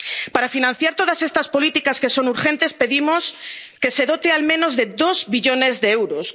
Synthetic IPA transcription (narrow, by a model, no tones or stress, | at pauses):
paɾafinãn̟θjaɾt̪oð̞asest̪aspolit̪ikaskesonuɾxent̪espeðimos | keseðot̪ealmẽnozðeðozβiʎonezðeewɾos